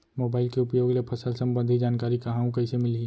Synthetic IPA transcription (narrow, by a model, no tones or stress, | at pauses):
moːbaːɪlkeʊpjoːɡlepʰɐsəlsɐ̃mbə̃nd̪ʱid͡ʒaːnkaːɾikɐɦãõkɐɪsemɪli